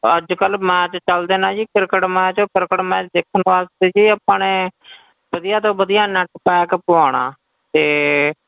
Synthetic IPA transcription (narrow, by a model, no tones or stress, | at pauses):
əd͡ʒkəlmɛ̃ːt͡ʃt͡ʃəld̪eːnãːd͡ʒiːkɪɾkəʈmɛ̃ːt͡ʃokɪɾkəʈmɛ̃ːt͡ʃd̪eːkʰːənʋaːst̪eːd͡ʒiːəpːaːneː | bəd̪ɪjaːt̪õːbəd̪ɪjaːnãːʈʰəpɛːkəpaːɳã̰ː | t̪eː